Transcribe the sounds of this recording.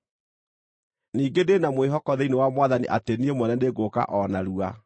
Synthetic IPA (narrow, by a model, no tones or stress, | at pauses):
niːɡedenamweɦɔkɔðeinewamwaðanḭʔa̰teniemwɛnɛdeɡoka̰ʔɔnaɾua